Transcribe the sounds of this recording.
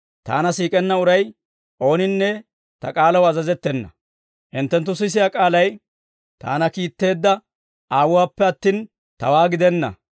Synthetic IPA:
t̪a̰ːnɐsiːkʼɛnːɐʊɾɐj | ʔo̞ːnɪnːɛ | t̪ɐ̰kʼaːlɐwɐzɐzɛt̪ːɛnːɐ̰ | ʔɪnt̪ːɛnt̪ːʊs̬ɪs̬ɪjakʼaːlɐj | t̪a̰ːnɐkiːt̪ːe̞ːd̪ːɐ | aːwʊwaːpːɛɐt̪ːiːn | t̪ɐ̰waːɡɪd̪ɛnːɐ̰

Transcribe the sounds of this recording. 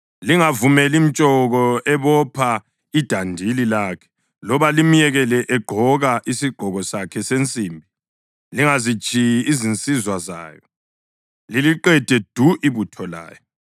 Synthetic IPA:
liŋavumɛlim̩t͡ʃʼɔɣɔʔɛβɔpʰa | id̥ʱandʱililaːkʰɛ̥ | lɔβalim̩jɛɣɛlɛʔɛɡ͡ǃ̥ʱɔɣaʔisiɡ͡ǃ̥ʱɔɣɔsakʰɛsent͡sʼimbʱi | liŋazit͡ʃʼijiːzint͡sʼizwaza̰ːjɔ | liliǃɛd̥ʱɛd̥ʱuʔiβutʰɔla̰ːjɔ

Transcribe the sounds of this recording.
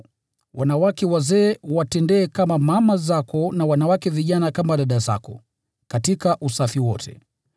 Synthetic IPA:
wanawakɛwazɛːwatɛndɛːkamamamazakɔnawanawakɛviʄanakamaɗaɗaza̰kɔ | katikaʔusafiwɔtʰɛ̰

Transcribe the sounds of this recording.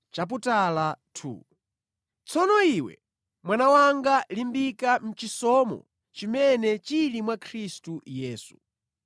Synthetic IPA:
t͡ʃap̬utalatʰṵ | t͡sʰɔnɔiwɛ̰ | mwanawaŋɡalimbikam̩t͡ʃisɔmɔ̰ | t͡ʃimɛnɛt͡ʃilimwakʰɾistujɛːsu̥

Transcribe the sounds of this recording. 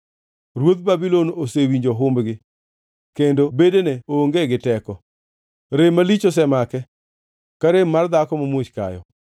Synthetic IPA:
ɾwot̪̚babilonosewiɲd͡ʒoɦʊmbɡɪ | kendobedeneooŋɡeɡɪtɛkɔ | ɾemalit͡ʃos̬ɛmakɛ | kaɾemmːard̪akɔmamwot͡ʃka̰jɔ̰

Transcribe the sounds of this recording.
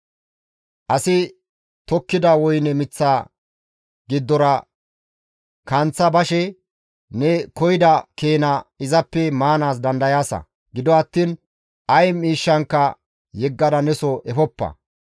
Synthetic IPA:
ʔɐsɪ | t̪ɔkːɪd̪ɐwɔjnɛmɪt͡sːaː | ɡɪd̪ːɔɾɐ | kɐnt͡sːɐbɐʃɛ | nɛkɔjɪd̪ɐke̞ːnɐɪzɐpːɛmaːnaːs̬d̪ɐnd̪ɐjaːsɐ̰ | ɡɪd̪ɔɐt̪ːiːn | ʔɐjmiːʃːɐŋkːɐ | jɛɡːɐd̪ɐnɛsɔʔɛfɔpːɐ̰

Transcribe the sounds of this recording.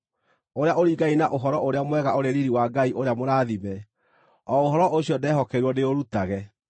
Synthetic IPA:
oɾeaʔoɾiɡainaʔoɦɔɾɔʔoɾeamwɛɣaoɾeɾiɾiwaɡaiʔoɾeamoɾaːðimɛ | ɔoɦɔɾɔʔoɕiɔdɛːɦɔkɛɾwɔneoɾutaɣɛ

